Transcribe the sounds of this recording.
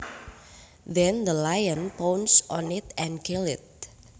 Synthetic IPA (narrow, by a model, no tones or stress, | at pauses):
ðɛ̃nd̪əlajə̃npownsɔnɪt̪ʔɛ̃nkʰɪlɪt̪̚